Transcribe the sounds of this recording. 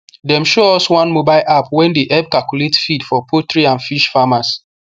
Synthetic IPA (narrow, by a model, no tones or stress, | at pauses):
dɛ̃mʃoɔswãnmobaɪlʔapwɛ̃ndeʔɛb̚kalkjuletfidfɔpʰotɹiãnfiʃfamas